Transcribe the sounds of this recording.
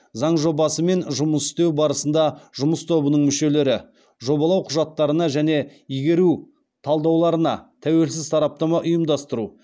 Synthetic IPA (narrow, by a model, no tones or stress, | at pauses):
zɑɴʒo̞bɑsəme̞nʒʊməsɪ̥st̪e̞wbɑɾəsənd̪ɑʒʊməst̪ʰo̞bənəɴmʏʃe̞le̞ɾɪ | ʒo̞bɑlˠɑwqʰʊʒɑt̪ːɑɾənɑʒæne̞ijɡʲe̞ɾu | t̪ʰɑlˠd̪ɑwlˠɑɾənɑ̰t̪ʰæwe̞lsɪzt̪ʰɑɾɑp̚t̪ɑmɑʔʊjəmd̪ɑst̪əɾu